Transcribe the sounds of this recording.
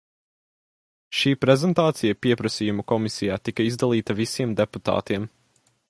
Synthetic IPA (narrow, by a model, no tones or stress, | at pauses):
ʃiːpɾezɛnt̪aːt̪sijɐpiɛpɾɐsijumukɔmisʲijaːt̪ikɐizd̪alˠiːt̪ɐvisiɛmd̪eput̪a̰ːt̪iɛm